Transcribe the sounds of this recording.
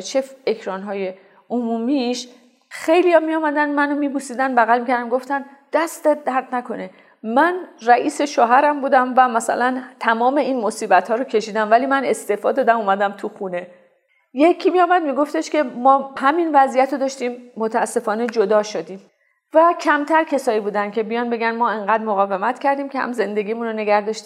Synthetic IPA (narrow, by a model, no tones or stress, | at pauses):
t͡ʃʰefekʰɾɒːnɦɒːje | omuːmiʃ | xe̞jlijɒmijɒːmæd̪ænmænomiːbusiːd̪ænbæɣælmikcʰæɾd̪æmɡo̞ft̪æn | d̪̥æst̪et̪̚d̪æɾd̪nækʰo̞ne̞ | mænræʔiːse̞ʃoːɦæɾæmbuːd̪æmvæmæsæ̰lænt̪ʰæmɒːme̞iːnmosiːbæt̪hɒːɾocʰe̞ʃiːd̪æmvæliːmæne̞st̪e̞fɒːd̪ɒːd̪æmuːmæd̪æmt̪ʰuxuːne̞ | jecʰːiːmijɒːmæd̪miːɡo̞ft̪e̞ʃkʲe̞mɒːhæminvæziːjæt̪ʰod̪ɒːʃt̪iːmːot̪ʰææsːe̞fɒːne̞d͡ʒod̪ɒːʃod̪iːm | væcʰæmt̪ʰæɾcʰe̞sɒːibuːd̪ænkʲʰe̞bijɒːnbe̞ɡænmɒːeŋɢæːd̪moɣɒːve̞mæt̪cʰæɾd̪iːmkʰehæ̰mze̞nd̪e̞ɡʲiːmunɾone̞ɡæɾd̪ɒʃt̪i